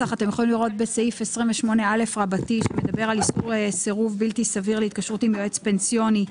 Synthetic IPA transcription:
aχat̪emjeχo̞limliʁo̞t̪̚be̞saifesʁimveʃmo̞neale̞fʁabatiʃeme̞d̪abe̞ʁaliskuʁeseʁuvbiltisaviʁleit̪̚kaʃʁut̪imjoet͡spe̞nsijo̞ni

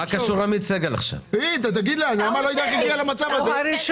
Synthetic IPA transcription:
akaʃuʁamit͡seɡela̰χʃa̰vit̪at̪̬aɡid̪laanamalojid̪akaɡialamat͡savaze

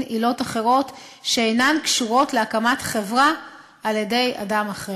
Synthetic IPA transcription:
ilo̞taχe̞ʁo̞tʃeejnankʃuʁo̞tleakamatχe̞vʁaː | ljede̞ja̰damaχʁe

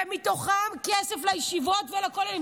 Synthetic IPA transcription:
mit̪o̞χamkeseflajiʃivotvelakola

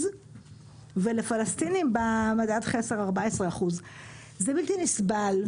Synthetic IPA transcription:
z | velefalast̪inimbamad̪ad̪χeseʁaʁbaesʁeaχuz | zebilt̪inisbal

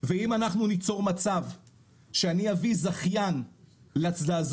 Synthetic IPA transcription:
veimanaχnunit͡so̞ʁmat͡sav | ʃeaniavizaχjan | leat͡sdaːz

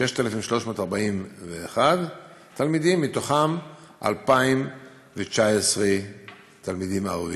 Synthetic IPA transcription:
ʃeʃt̪aelefimʃlo̞ʃmo̞ːtaʁbaimveːχad̪ | tʰalmidimːito̞χamʔa̰lpaim | vet͡ʃaesʁe | t̪almidimaʁavi

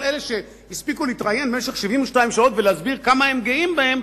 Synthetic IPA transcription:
lele̞ʃe | jispikuliitʁaje̞nmeʃeχʃivimuʃtaimʃao̞t̪veleazbiʁkamahe̞mɡeimbahe̞m

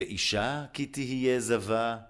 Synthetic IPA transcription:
eʔiʃakit̪iɦijezava

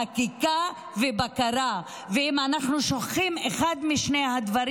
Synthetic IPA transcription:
akika | vebakaɾa | veimanaχnuʃoχχimeχad̪miʃnejhad̪vaɾ

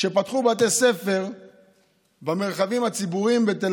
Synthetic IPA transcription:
ʃe̞pat̪χubat̬ese̞fe̞ʁ | bame̞ʁχavimhat͡sibuʁimbet̪el

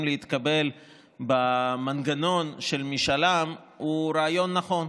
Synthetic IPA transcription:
mleit̪kabe̞l | bamanɡano̞nʃelmiʃalam | uɾaajo̞nːaχo̞n

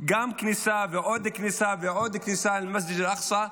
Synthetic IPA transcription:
ɡaːmknisaviʕoːd̪ɪknisabiʕoːd̪ɪknɪsaːɪlmas̬d͡ʒɪd͡ʒɪlʔɑxsˤɑ

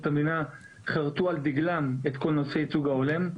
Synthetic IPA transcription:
t̪amina | χaʁt̪uald̪iɡlamet̪ko̞lnose̞jt͡suɡaolem

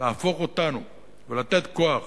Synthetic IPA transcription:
aːfo̞χo̞t̪anu | velat̪et̪koaχ

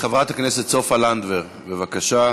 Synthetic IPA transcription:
χavʁat̪hakneset̪sofaland̪veʁ | vevakaʃa

